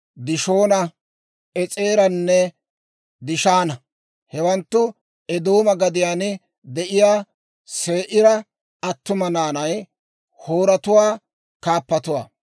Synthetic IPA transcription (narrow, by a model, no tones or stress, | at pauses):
d̪ɪʃoːnɐ | ɛt͡sʼeːɾɐnːɛ | d̪ɪʃaːnɐ | hɛwɐnt̪ːʊ | ɛd̪oːmɐɡɐd̪ɪjaːn | d̪ɛʔɪjaː | se̞ːʔɪɾɐ | ɐt̪ːʊmɐnaːnɐj | hoːɾɐt̪ʊwaː | kaːpːɐt̪ʊwa̰ː